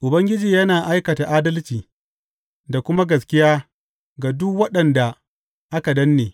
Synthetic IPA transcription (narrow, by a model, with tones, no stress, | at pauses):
ʔʊ˨bɐ˦ŋɡʲɪ˦d͡ʒiː˨jɐ˦naː˨ʔa˦jkɐ˨ta˨ʔaː˦dɐ˦lt͡ʃiː˨ | da˨kʷʊ˦ma˦ɡɐ˨skʲɪ˦jaː˦ | ɡa˨dʊ˦kwɐ˦ɗɐ˨nda˨ | ʔa˦ka˨dɐ˦nːeː˨